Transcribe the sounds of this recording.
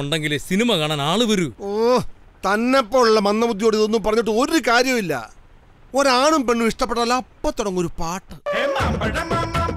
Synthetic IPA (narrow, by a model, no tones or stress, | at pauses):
uɳɖeŋɡilsinimɐkaːɳaːnaːɭuʋɐɾuo | t̪ɐnːɐpːo̞ːɻuɭːɐmɐnːɐbud̪ʱːjoːɽiðonːumpɐrɐɲːiʈ̬ːɨo̞ɾukaːɾjɐmilːɐ̰ | oɾaːɳumpeɳːɨʋiʂʈɐpːeʈːɐlːɐɐpːɐt̪ːuɽɐŋːo̞ɾupaːʈːɐ